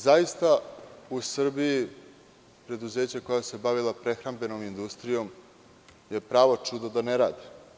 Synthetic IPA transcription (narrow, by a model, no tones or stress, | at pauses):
zajist̪ausr̩biji | pɾe̞d̪uze̞ːt͡ɕako̞jase̞baʋilˠapɾe̞xɾambe̞no̞mind̪ust̪ɾijo̞m | je̞pɾaːʋo̞t͡ʂud̪od̪aneɾa̰ːd̪i